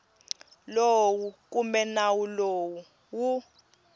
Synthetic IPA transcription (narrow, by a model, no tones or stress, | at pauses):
lowuk̬ʼumɛnawulowu | wu